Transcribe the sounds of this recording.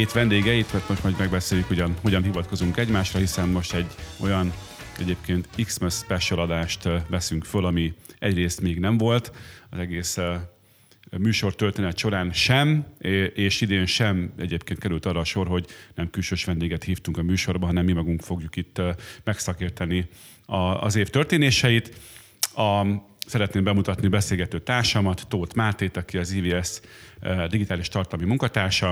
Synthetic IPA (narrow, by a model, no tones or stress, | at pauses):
heːt̪ʋɛnd̪eːɡɛit̪mɛrt̪mo̞ʃt̪mɒjmɛɡ̚bɛseːjukho̞ɟɒnɦo̞ɟɒnɦivɒt̪ko̞zuŋkɛɟmaːʃrɒɦisɛnmo̞ʃt̪ɛɟːo̞jɒn | ɛ̰ɟeːpkeːnt̪iksmɛspɛʃolɒd̪aːʃt̪ʋɛsyŋkfølɒmiɛɟreːst̪meːɡnɛɱvo̞lt̪ɒzɛɡeːs | myːʃo̞rt̪ølt̪eːnɛt̪ʃo̞ɾaːnʃɛmeːʃid̪eːnʃɛmɛ̰ɟeːpkeːn̚kɛɾylt̪ɒrːɒːʃo̞rɦo̞ɟnɛmkylʃøːʃʋɛnd̪eːɡɛt̪hiːft̪uŋkɒmyːʃo̞rbɒɦɒnɛmːimɒɡuŋkfo̞ɡjukit̪ːmɛksɒkiːrt̪ɒni | ɒ̰ːzeːft̪ørt̪eːneːʃɛjit̪ | ɒ | sɛɾɛt̪neːmbɛmut̪ɒt̪nibɛseːlɡɛt̪øːt̪aːrʃɒmɒt̪ːoːt̪maːt̪eːt̪ɒkiɒziːviːɛs | d̪iɡit̪aːliʃt̪ɒrt̪ɒlɒmimuŋkɒt̪aːrʃɒ